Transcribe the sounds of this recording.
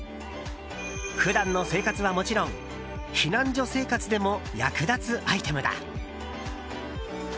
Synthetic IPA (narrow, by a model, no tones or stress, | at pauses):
ɸɯ̟d̪ãnːo̞se̞ːkat͡sɨβamo̞t͡ɕiɾõ̞ŋ | ɕinãɲ̟d͡ʑo̞se̞ːkat͡sɨd̪e̞mo̞jakɯ̟d̪at͡sɨʔait̪e̞mɯ̟d̪a̰